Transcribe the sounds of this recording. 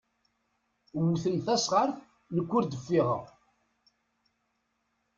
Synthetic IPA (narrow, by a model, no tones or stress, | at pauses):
wθənθæsʁəɾθ | nəkʷːʊɾd̪əfːɪʁə̰ʁ